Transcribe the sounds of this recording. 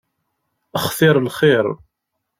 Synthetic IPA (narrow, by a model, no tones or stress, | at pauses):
əχθɪɾˤlχɪɾˤ